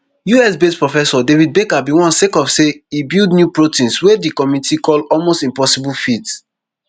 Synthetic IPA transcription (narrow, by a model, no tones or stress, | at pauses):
juɛsbespɹɔfɛsɔdevid̚bekabiwɔ̃nsekɔfseibilˠdnjupɹotĩnswedikɔmitʰikʰɔlɔlmostĩmpɔsibulfit